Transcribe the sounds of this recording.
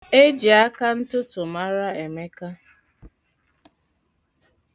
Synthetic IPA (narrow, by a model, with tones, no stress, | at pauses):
e˦d͡ʒi˨a˦ka˦n̩˦tʊ˦tʊ˨ma˦ɾa˦e˨me˦ka˦